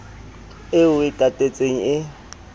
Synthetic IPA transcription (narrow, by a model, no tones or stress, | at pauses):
ɪʊɪtʼatʼet͡sʼeŋ̩ɪ